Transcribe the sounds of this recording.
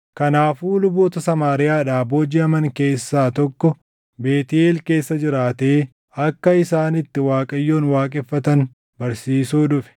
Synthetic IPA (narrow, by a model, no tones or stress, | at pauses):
kɐnaːfuːlʊboːt̪ɐsɐmaːɾɪjaːᶑaːboːd͡ʒɪɐmɐŋke̞ːsːaːt̪ɔkːɔ | be̞ːt̪ɪeːlke̞ːsːɐd͡ʒɪɾaːt̪eː | ɐkːɐɪsaːnɪt̪ːɪwaːkʼɐjːo̞ːnwaːkʼɛfːɐt̪ɐn | bɐɾsiːsuːᶑʊfɛ̥